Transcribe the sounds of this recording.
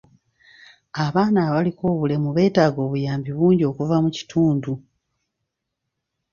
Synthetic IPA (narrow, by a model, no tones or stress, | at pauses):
aβaːnaβaliko̞ːβule̞muβe̞ːtaːɡo̞ːβujaːmbiβuːɲɟo̞ːkuvamuci̥tʰuːndu